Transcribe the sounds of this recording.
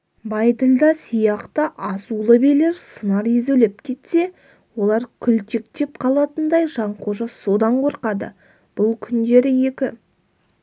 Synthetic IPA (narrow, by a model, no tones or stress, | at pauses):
bɑjd̪əlʲˠd̪ɑsijɑqt̪əʔɑsulˠəbejle̞ɾsənɑɾezelep̚kʲʰe̞t̪se̞ | wo̞lˠɑɾkʲʰʏlt̪ʰe̞k̚t̪e̞pqʰɑlˠɑt̪ənd̪ɑjʒɑɴqʰoʒəso̞d̪ɑɴqʰo̞ɾqɑd̪ə̰ | b̥ʊlˠkʲʰʏnd̪e̞ɾɪje̞kʲɪ